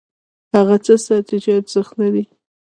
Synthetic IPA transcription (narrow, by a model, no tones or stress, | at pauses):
haɣat͡səsat̪ɪd͡ʒɑt̪z̥əxt̪nad̪i